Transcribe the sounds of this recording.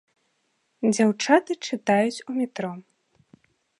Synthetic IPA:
d͡zʲawt͡ʂat̪ɨt͡ʂɨt̪ajut͡sʲumʲɛt̪ɾɔ

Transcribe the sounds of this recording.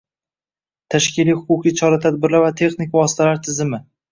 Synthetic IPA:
t̪ʰaʃkʲɪlijhʊqʊqʰijt͡ʃʰɒɾat̪ʰad̪̚bɪɾlaɾvat̪ʰe̞χnɪkʲvɒsɪ̥t̪ʰalaɾt̪ʰɪzɪmɪ

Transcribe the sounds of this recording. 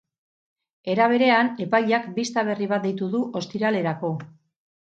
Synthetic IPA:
e̞ɾaβ̞e̞ɾe̞ane̞pajʎakbist̪aβ̞e̞riβ̞at̪̚d̪ejt̪uðuʔo̞st̪iɾale̞ɾako̞

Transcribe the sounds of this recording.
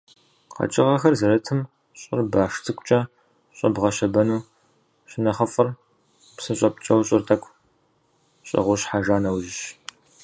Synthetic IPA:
qʰɐ̰t͡ʃʼɪʁɐxɐrzɐɾɐtʰɨm | ɕʼɪ̰rbaːʂt͡sʰɨkʷʼt͡ʃʼɐ | ɕʼɐ̰bʁɐɕɐbɐnuː | ɕɪnɐχɐfɨr | psɨɕʼɐpt͡ʃʼɐwɕʼɪrtʰɐkʷʰʼ | ɕʼɪ̰ʁʷʊɕħaʒaːnɐwʒɪɕ

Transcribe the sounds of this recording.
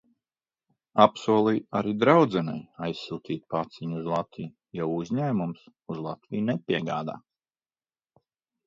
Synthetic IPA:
apsuɔlˠijaɾid̪ɾawd̪zɛnɛ̰jajsːult̪iːt̪̚pat̪siɲuzlˠat̪vij | jawuzʲɲæːmums | uzlˠat̪vijnɛpʲiɛɡaːd̪a̰ː

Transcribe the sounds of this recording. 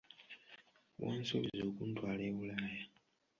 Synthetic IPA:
wo̰ːnsoβizoːkuntwaːleːβulaja

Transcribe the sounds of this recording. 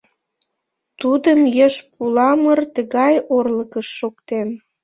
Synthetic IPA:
t̪ud̪əmjəʃpulɑmərt̪əɣɑjorləkəʃːokt̪en

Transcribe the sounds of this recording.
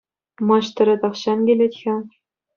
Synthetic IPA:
mɑɕt̪ɤ̆ɾʲɘ̆t̪ɑχɕɑnɡʲelʲetʲxʲɘ̆

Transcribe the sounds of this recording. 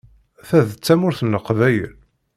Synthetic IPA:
θæðt͡sːæmʊɾθənːəqvæjə̰l

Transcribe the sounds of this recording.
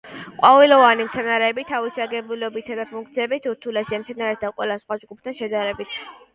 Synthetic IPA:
qʼwavilɔvanimt̪sʰɛnaɾɛːbit̪ʰavisaɡɛbulɔbit̪ʰad̪apʰuŋk̚ʰt̪sʰiɛbit̪ʰuɾt̪ʰulɛsiamt̪sʰɛnaɾɛɾtt̪ʰaqʼwɛlasχwad͡ʒɡup̚ʰt̪ʰanʃɛd̪aɾɛbit̪ʰ

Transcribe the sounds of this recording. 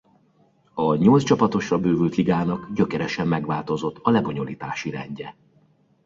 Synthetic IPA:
ɒɲo̞ltst͡ʃɒpɒt̪o̞ʃrɒbøːvylt̪liɡaːnɒɡɟø̞kɛɾɛʃɛmːɛɡʋaːlt̪o̞zo̞t̪ʰːɒlɛbo̞ɲo̞lḭːt̪aːʃiɾɛɲɟɛ

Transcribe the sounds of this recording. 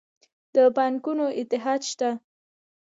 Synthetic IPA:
d̪̥əpankunoʔɪt̪ɪɦɑd̪ʃt̪a

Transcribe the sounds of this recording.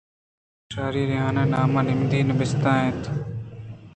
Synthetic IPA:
ʃaːɾiːɾɪjãːnẽːnaːmãːnɪmd̪iːnɪbɪst̪ãːɦẽːt̪ʰ

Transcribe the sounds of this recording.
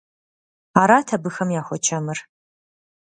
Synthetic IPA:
aːɾaːtʰɐbɨxɐmjaːxʷɔt͡ʃʰɐmɨr

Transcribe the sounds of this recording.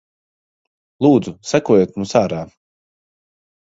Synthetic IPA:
lˠuːd̪zusakuɔjoːt̪muːsaːɾaː

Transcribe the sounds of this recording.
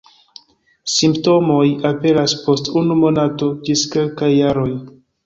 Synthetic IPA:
simpto̞mo̞jape̞ɾaspo̞stunumo̞nato̞d͡ʒiskelkajːaɾo̞j

